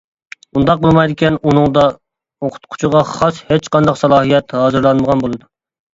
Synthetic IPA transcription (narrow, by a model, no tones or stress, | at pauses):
und̪ɑq̚bolˠmɑjd̪ɪkʲɛnunɨŋd̪ɑ | oqʰʊ̥t̪̚qʰʊ̥t͡ʃʰuʁɑχɑshet͡ʃqɑnd̪ɑqsɑlˠɑːɦijɛt̪hɑːzɨɾlˠɑnməʁɑnbolˠɨd̪u